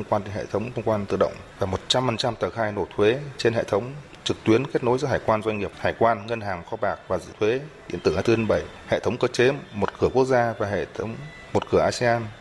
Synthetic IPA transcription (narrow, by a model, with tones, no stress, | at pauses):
wŋ͡mkwaː˧nɗe˨˦nhḛ˧˨t̪ʰə˨˦wŋ͡mt̪ʰə˧wŋ͡mkwaː˧nt̪ɨ̰˧˨ɗə̰˧˨wŋ͡mvaː˨˩mo˨˩t̚t͡ɕa˧mfə˨˩nt͡ɕa˧mt̪əː˨˩xaː˧jno˨˧˩t̪ʰwe˨˦t͡ɕe˧nɦḛ˧˨t̪ʰə˨˦wŋ͡m | t͡ɕɨ˨˩k̚t̪wi˨˦ənke˦˥t̚no˨˦jzɔ̰˧˦ɦaː˧˩jkwaː˧nzwjŋ̟ŋi˨˩əp̚haː˧˩jkwaː˧nŋə˧nɦaː˨˩ŋxɔ˧ɓaː˨˩k̚vaː˨˩zɨ̰˧˨t̪ʰwe˨˦ɗḭ˧ənt̪ɨ˧˩haː˧t̪ɨ˧ə˧nɓə˧˩j | hḛ˧˨t̪ʰə˨˦wŋ͡mkəː˧t͡ɕe˨˦mo˨˩t̚kɨ˧˩əku˦˥ək̚zaː˧vaː˨˩ɦḛ˧˨t̪ʰə˨˦wŋ͡m | mo˨˩t̚kɨ˧˩əʔaː˧si˧aː˧n